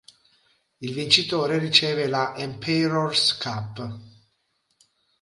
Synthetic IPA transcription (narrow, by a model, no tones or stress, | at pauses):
ilvint͡ʃit̪oːɾerit͡ʃɛːvelaʔɛmpʰɛɾorskʰapː